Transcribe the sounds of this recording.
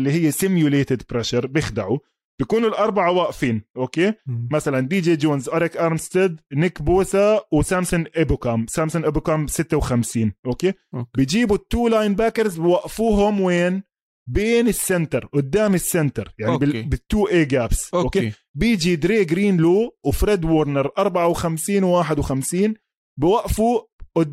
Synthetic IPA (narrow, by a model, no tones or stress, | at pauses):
ɪlːiɦɪjːasɪmjʊleːt̪ɪd̪pɾeʃɑɾˤbjɪxd̪aʕu | b̥jakuːnʊlʔɑɾˤbaʕawaʔfiːnʔoːkeːmasaland̪iːd͡ʒeːd͡ʒoːnzʔaɾɪkʔɑɾˤmst̪ɪd̪nɪkboːsawɪsaːmsʊnʔɪbkaːmsaːmsʊnʔɪbkamsɪt̪ːawxamsiːnʔoːkeːbɪjd͡ʒiːbut̪ːuːlajnbaːkɑɾzbɪwaʔfuːɦʊmweːn | beːnɪsːɪnt̪ɑɾˤʔʊd̪ːaːmɪsːɪnt̪ɑɾˤjaʕibɪbɪt̪ːuːʔeːɡaːbsoːkeː | bɪːd͡ʒid̪ɾeːɡɾiːnloːwɪfɾed̪woːɾˤnəɾˤʔɑɾˤbaʕawɪxamsiːnwwaːħɪd̪wɪxamsiːn | bɪwaʔfuʔʊ